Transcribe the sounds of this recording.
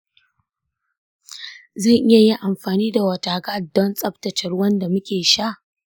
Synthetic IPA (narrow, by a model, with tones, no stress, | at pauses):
zɐ˦˨ŋʔɪ˦ja˨ji˦ʔa˨mɸaː˨niː˦da˨wɐ˨taː˨kaː˦˨dɔ˦nsʼɐ˦ptɐ˨t͡ʃɐ˨rwɐ˦nda˨mʊ˦kʲeː˨ʃa˦ʔ